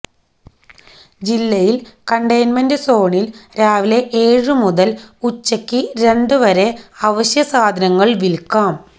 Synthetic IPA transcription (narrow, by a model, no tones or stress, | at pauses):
d͡ʑilːɐjilkɐɳɖɐjnmɐndɨso̞ːɳilɾaːʋile̞ʔeːɻɨmuðɐlut͡ɕːɐkʲːɨɾe̞ɳɖɨʋɐɾe̞ɐʋɐɕjɐsaːd̪ʱɐnɐŋːɐɭʋilkaːm